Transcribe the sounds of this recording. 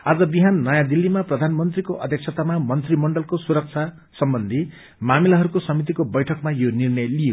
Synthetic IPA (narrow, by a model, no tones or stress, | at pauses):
ad͡zʌbiɦanːʌjãd̪ilːimaprʌd̪ʱanmʌnt̪rikoʔʌd̪ʱjek̚t͡sʰʌt̪amamʌnt̪rimʌɳɖʌlkosuɾʌk̚t͡sʰa | sʌmbʌnd̪ʱi | mamilaɦʌɾukosʌmit̪̬ikobʌjʈʰʌkmajonirnʌjlije